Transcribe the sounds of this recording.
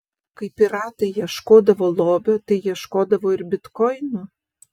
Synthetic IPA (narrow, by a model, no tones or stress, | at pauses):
kɐɪpʲɪɾɑt̪ɐjjɛʃkoːd̪ɐvolˠobʲot̪ɐɪjɛʃkoːd̪ɐvoɪrbʲɪt̪kɔjno